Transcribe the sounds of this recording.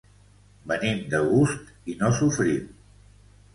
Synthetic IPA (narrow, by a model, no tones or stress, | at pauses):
bənimd̪əɣust̪ | inosufɾim